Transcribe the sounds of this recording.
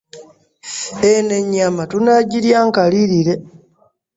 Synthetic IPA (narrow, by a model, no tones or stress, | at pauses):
eneɲːamatunaɟiɾjaːŋkaliɾiɾe̞